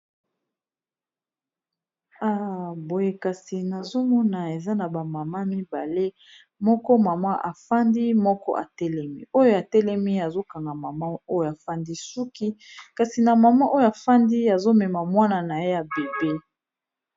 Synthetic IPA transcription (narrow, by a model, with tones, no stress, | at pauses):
a˦˨bo˨je˦ka˨si˨na˨zo˦mɔ˦na˨e˨za˦na˨ba˨ma˨ma˦mi˦ba˨le˦ | mɔ˦kɔ˦ma˨ma˦ʔa˨fa˦ndi˦mɔ˦kɔ̰˦ʔa̰˨tɛ˦lɛ˦mi˦o˦jo˦a˨tɛ˦lɛ˦mi˦a˨zo˦ka˨ŋɡa˨ma˨ma˦o˦jo˨a˨fa˦ndi˦su˦ki˦ka˨si˨na˨ma˨ma˦ʔo˦jo˦a˨fa˦ndi˦ja˨zo˦mɛ˨ma˨mwa˦na˨na˨je˦ja˨be˨be˦